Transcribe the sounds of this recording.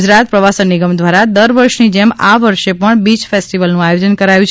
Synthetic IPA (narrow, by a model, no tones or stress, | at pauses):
d͡ʒɾat̪̚pɾəʋasənːiɡəmd̪ʋaɾad̪əɾʋəɾʃnid͡ʒemaʋəɾʃepəɳbit͡ʃfesʈiʋəlnũajod͡ʒənkəɾajũt͡ʃʰ